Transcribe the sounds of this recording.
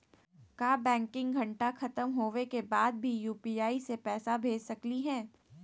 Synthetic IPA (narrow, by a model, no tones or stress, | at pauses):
kjaːbɛ̃ːŋkɪ̃ŋɡɡʱɐ̃ɳʈaxɐt̪əmɦoːʋekebaːd̪̚bʱijuːpiaːisepɛːsabʱeːd͡ʒsɐkliɦɛ̃ː